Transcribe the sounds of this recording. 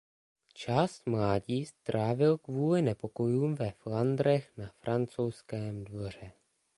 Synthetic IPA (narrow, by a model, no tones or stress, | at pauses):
t͡ʃaːst̪mlaːɟiːst̪ɾaːvɪlkvuːlɪnɛpo̞ko̞juːmvɛfland̪ɾɛxnafɾʔant͡sowskɛːmdvo̞r̝ɛ